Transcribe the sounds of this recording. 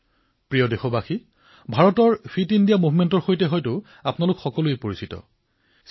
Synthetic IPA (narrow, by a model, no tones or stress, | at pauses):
pɹijɔdexɔbaxi | bʱaɹɔtɔɹpʰitindijamubʱmɛntɔɹxojtɛɦɔjtʊ | apnalʊkxɔkɔlʊipoɹisitɔ̰